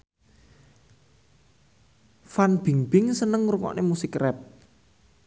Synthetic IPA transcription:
fanb̥i̤ŋb̥ɪŋsənəŋɾuŋɔ̰ʔnemusɪkrɛp̚

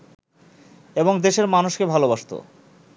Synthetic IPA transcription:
eboŋd̪eʃeɾmanuʃkebʱalobaʃt̪o̰

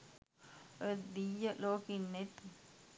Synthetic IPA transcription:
əd̪ijəloːkinːet̪i

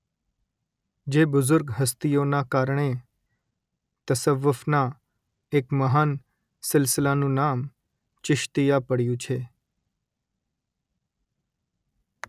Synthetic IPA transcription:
d͡ʒebʊzʊɾɡɦəst̪ijonakaɾɳe | t̪əsəʋːʊfna | ekməɦaːn | sɪlsɪlanũnam | t͡ʃɪʃt̪ijapəɽjũt͡ʃʰe

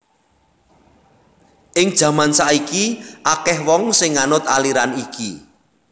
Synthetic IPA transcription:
ʔɪŋd̥ʒ̥a̤mansaʔikiʔakɛhwɔŋsɪŋːanʊt̪aliɾaniki

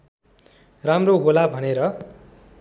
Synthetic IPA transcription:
ramroɡolabʱʌneɾʌ

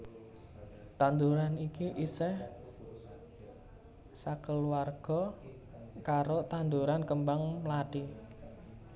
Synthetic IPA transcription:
t̪and̪uɾanikiʔisɛh | sakəlwarɡ̥ɔ | kaɾot̪and̪uɾankəmbaŋmlaɖ̥i

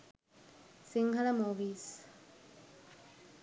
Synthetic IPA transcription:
siŋhɐlɐmoʋiːs

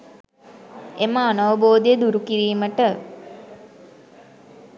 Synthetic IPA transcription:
eməanaʋəboːd̪ejəd̪uɾukiɾiːməʈə

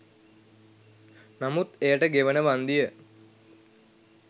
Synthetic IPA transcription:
namut̪ejəʈəɡeʋənəʋand̪ijə

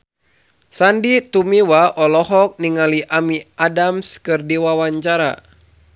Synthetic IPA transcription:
sandit̪umiwaɔlɔɦɔk̚niŋaliʔamiʔadamskɨrdiwawaɲt͡ʃaɾa̰

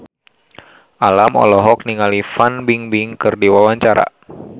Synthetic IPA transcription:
ʔalamɔ̰lɔɦɔk̚niŋalifanbiŋbiŋkɨrdiwawaɲt͡ʃaɾa̰

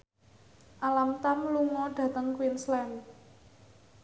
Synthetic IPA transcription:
ʔalamt̪amluŋɔɖ̥ä̤t̪əŋkwinslɛm

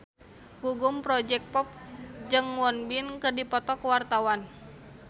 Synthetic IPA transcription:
ɡ̥uɡumpɾɔd͡ʒɛk̚pɔp̚d͡ʒɨŋwɔnbinkərdipɔt̪ɔkəwart̪awan

